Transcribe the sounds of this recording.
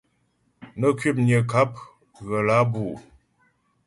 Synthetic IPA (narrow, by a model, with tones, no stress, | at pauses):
nə˦kɥi˦p̚ɲjə˨ka˦p̚ | ɣə˨la˨˦bu˨